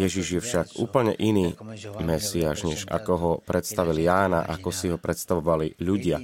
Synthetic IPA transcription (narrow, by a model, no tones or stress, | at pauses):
jɛʒiʒjɛfʃaɡṵːpl̩ɲɛʔiniːmɛsiaːʒɲɛʒa̰kɔɦɔpɾɛt̪st̪aʋilijaːna̰ʔakɔsiɦɔpɾʔɛt̪st̪aʋɔʋaliʎuɟɪa